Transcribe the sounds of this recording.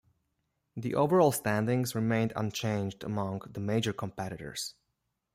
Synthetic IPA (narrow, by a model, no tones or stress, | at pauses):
ðḭʔoʊvə˞ɔlˠstæ̃ndɪ̃ŋzɹɨmẽɪ̃ndʌ̰̃nt͡ʃʰẽɪ̃nd͡ʒdə̰mʌ̃ŋðəmeɪd͡ʒə˞kʰə̃mpɛɾɨɾə̰˞z̥